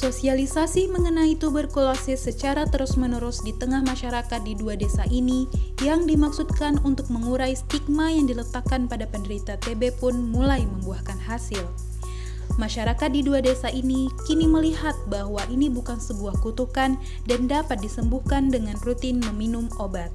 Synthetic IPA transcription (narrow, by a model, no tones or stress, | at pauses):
sosialisasiməŋənajit̪ubərkulasɪsət͡ʃaɾat̪əɾusmənəɾusdit̪əŋahmaʃaɾakat̪̚diduadesaʔinijaŋdimaksut̪̚kanunt̪ʊk̚məŋuɾajst̪ik̚majaŋdilət̪akanpadapəndəɾit̪at̪ebepʊnmulajməmbuahkanɦasil | maʃaɾakat̪̚diduadesaʔinikiniməliɦat̪̚baɦwaʔinibukansəbuahkut̪ukan | dandapat̪̚disəmbuhkandəŋanrut̪inməminumobat̪̚